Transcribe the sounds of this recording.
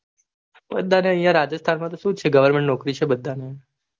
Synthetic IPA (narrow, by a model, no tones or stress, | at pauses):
bəd̪ʱːaneə̃jjãɾad͡ʒəst̪ʰanmãt̪̬oʃũt͡ʃʰeɡəʋəɾmɛ̃ɳʈnɔkɾit͡ʃʰebəd̪ʱːane